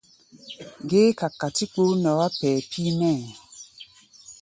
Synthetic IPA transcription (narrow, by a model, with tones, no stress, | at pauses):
ɡe˦ka˨kːa˨ti˦k͡po˦nɔ˨˦wa˦pɛː˨pʰi˦mɛ˦˨